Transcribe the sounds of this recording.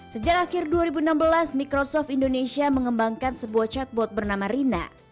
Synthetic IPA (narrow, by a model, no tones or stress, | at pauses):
səd͡ʒak̚akɪrduaɾibunambəlasmikɾosɔft̪indonesiaməŋəmbaŋkansəbuaht͡ʃat̪̚bɔt̪̚bərnamaɾina̰